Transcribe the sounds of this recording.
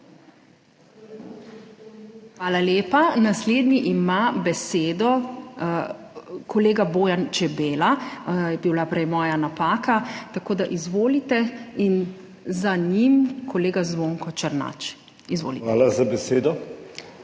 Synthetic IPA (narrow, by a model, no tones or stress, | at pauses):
xʋaːlaleːpanasleːd̪niʔimabɛseːd̪ɔ | kɔleːɡaboːjant͡ʃɛbeːlajɛbiwlapɾɛjmɔːjanapaːkat̪akoːd̪aʔizʋoːlit̪ɛin | zaɲimkʰɔleːɡazʋoːŋkɔt͡ʃəɾna̰t͡ʃ | izʋo̰ːliaːlazabɛseːd̪ɔ